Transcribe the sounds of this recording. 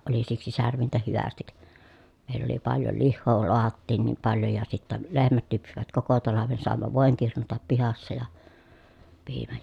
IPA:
ʔoli siksi særʋintæ hyʋæstik meˑilː oli pɑljo lihːoː loɑhɑtːiːn niːm pɑljo jɑ sitːæ lehmæt lypsiʋæt koko tɑlɑʋen sɑˑemːɑ ʋoˑeŋ kirnutɑp pihɑsːɑ jɑ piːmæj

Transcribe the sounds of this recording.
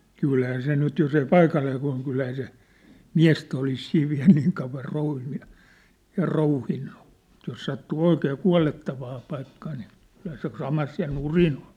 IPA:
kylhæː se nyt jos ei pɑikɑlːeː kuɑ̝l kylhæː se miæ̝stæ olis siːʋ ʋiæ̝l niːŋ kɑuʋˑɑr rouhinːu jɑ jɑ rouhinːu m̆ŭt̆ jos sɑtːuː oikeː kuɑ̝letːɑʋɑː pɑikːɑː niː kylhæ se sɑmɑs jɑ nurin o̥n̥

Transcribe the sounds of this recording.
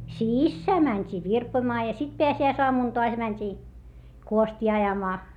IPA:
sisːæː mænʲtʲiː ʋirpoĭmɑː jɑ sit peæsiæisoɑmuˑn toɑs mænʲtʲi kuostiː ɑjɑmɑː

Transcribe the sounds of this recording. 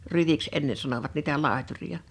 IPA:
ryʋiks enːe sɑnoʋɑt niːtæ lɑˑeturij̆ɑ

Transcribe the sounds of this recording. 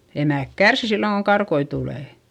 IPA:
emæˑk kærsi silːoŋ koŋ kɑrkoi tuleˑ

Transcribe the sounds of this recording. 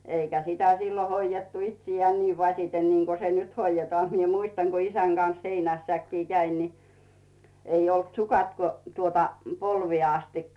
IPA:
eikæ sitæ silːo hoijetːu itsijeæːn niː ʋɑsʲiten niŋko se nyt hoijetŏɑˑ mie muistɑŋ ko isæŋ ɡ̊ɑn̞s heinæsːækːiː kæin ni ei olt sukɑt ko tuotɑ polʋieˑ ɑstikːɑ

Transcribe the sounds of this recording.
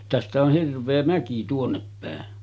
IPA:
tæstæ oh hirʋˑeː mæki tuonːepːæˑen

